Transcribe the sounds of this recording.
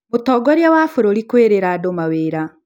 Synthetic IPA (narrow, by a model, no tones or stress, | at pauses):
motɔːɡɔɾjawafoɾoɾikweːɾeɾadomaweːɾa